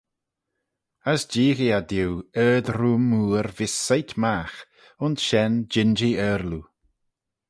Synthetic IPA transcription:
əsd͡ʒiːɣiad̪iwɛːd̪ɾumːuːɾvɪsajt̪max | ʊnsʃɛnd͡ʒɪnd͡ʒiɛːɾlu

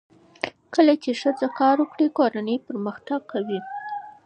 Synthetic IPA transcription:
kəlat͡ʃeʃəd͡zakɑɾwəkɽikoɾanəjpəɾməxt̪aɡ̚kawi

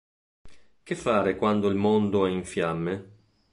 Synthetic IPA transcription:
k̟ɪfːaːɾekwand̪oilmond̪oɛiɱfjamːe

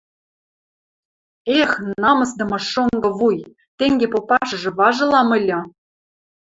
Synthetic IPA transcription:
exnɑmɤ̆sd̪ɤ̆mɤ̆ʃoŋɡɤ̆βuj | t̪eŋɡepopɑʃɤ̆ʒɤ̆βɑʒɤ̆lɑmɤ̆lʲɤ̆

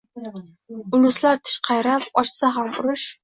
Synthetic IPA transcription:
ʊlˠʊslaɾt̪ʰɪ̥ʃqʰɑjɾapɒʃsaɦamʊɾʊʃ

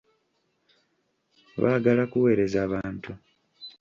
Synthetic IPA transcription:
βaːɡalakuwe̞ːɾe̞zaːβaːntu

